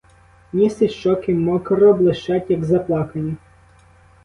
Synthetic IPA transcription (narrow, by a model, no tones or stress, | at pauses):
nʲisɪʃt͡ʃɔkɪmɔkɐɾɔblˠɪʃt͡ʃɑtʲjɐɡzɐplˠɑkɐnʲi